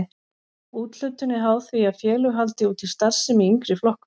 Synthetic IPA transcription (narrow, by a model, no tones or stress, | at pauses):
uːt̪l̥ʏɥt̪ʏnːɪɦaːwθviaðfjɛːlʏɦalt̪ɪuːt̪ʰɪlst̪ar̥sɪmiiŋkɾɪflɔhk